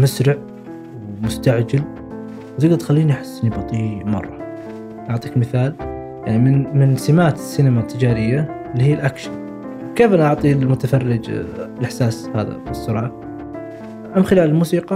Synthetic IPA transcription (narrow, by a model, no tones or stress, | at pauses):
masɾɪʕ | wmʊst̪aʕd͡ʒal | wt̪ɪɡd̪ɑt̪xalːiːniʔaħɪ̥sːnibɑt̪ˤiːmɑ̰rˤːɑ | ʔɑʕt̪ˤiːkmɪθaːl | jaʕnimɪnmɪnsɪmaːt̪ɪ̥sːinɪmat̪ʰːɪd͡ʒaːɾɪjːa | lːihiːlʔakʃɪn | wkeːfʔanaʔɑʕt̪ˤiːlmʊt̪afɑrːɪd͡ʒlʔɪħsaːsha̰ːða̰fisːʊɾˤɑːʕ | ʔamxɪlaːlɪlmuːsiːqɑ